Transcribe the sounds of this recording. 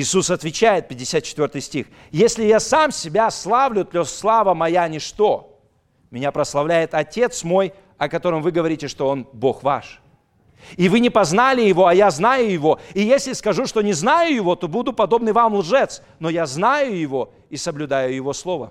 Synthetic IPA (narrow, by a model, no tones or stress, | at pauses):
ɪːsusɐt̪vʲɪt͡ɕæjɪt̪̚pʲɪdʲːɪsʲat̪̚t͡ɕːɪt̪vʲo̞rt̪ɨjsʲtʲix | jesʲlʲɪjasamsʲɪbʲaslˠavlʲʊt̪lʲoslˠavəmɐjanʲɪʂt̪o | mʲɪnʲapɾəslˠɐvlʲæjɪt̪ɐtʲe̞t̪smo̞j | ɐkɐt̪o̞ɾəmvɨɡəvɐɾʲitʲɪʂt̪o̞onbo̞xva̰ʂ | ivɨnʲɪpɐznalʲɪjɪvo̞ɐjaznajʊjɪvo̞ɪjesʲlʲɪskɐʐuʂt̪o̞nʲɪznajʊjɪvo̞t̪o̞bud̪ʊpɐd̪o̞bnɨjvamlˠʐɛt̪s | no̞jaznajʊjɪvo̞ | isəblʲʊd̪ajʊjɪvo̞slˠo̞və